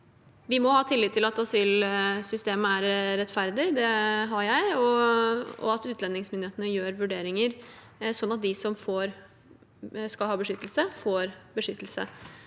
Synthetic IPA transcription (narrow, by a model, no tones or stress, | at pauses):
ʋɪmɔhɑːt̪ʰɪlːɪd̪t̪ʰːɪlɑt̪ɑsyːlsʏst̪eːməæɾːɛt̪ːfæɾd̪ɪd̪ɛɦɑɾjæɪɔ | ɔ̰ɑt̪ʉːt̪ʰlɛnːɪŋsmʏnɪeːt̪ənəjøːɾʋʉɖeːɾɪŋəɾ | sɔnːɑt̪̚d̪ɪsɔmfoːɾ | skɑlhɑːbəʂʏt̪ːəl̩səfoːɾbəʂʏt̪ːəlsə̰